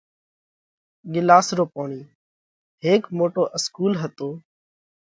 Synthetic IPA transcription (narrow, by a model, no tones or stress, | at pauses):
ɠɪlaːsɾoːpoːɳiː | ɦeːkmoːʈoːʔɪskuːlɦət̪oː